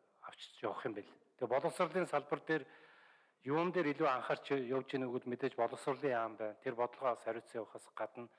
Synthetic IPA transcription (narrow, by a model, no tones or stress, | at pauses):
aw̥t͡ɕjawə̆χɪ̆mpeɮt̪ʰepɔɮɞ̆sərɮiːnsaɮpə̆rt̪eːr | jumt̪eːɾiɮuːaɴχə̆r̥t͡ɕʰjʊwt͡ɕĭːnuɣɘ̆t̪met̪eːt͡ɕpɔɮɞ̆sə̆rɮiːŋaːmpæːnt̪ʰerpɔt̪ɞ̆ɮʁɔːasæɾʲʊːt͡sə̆ŋjawə̆χə̆ːsɢat̪ə̆n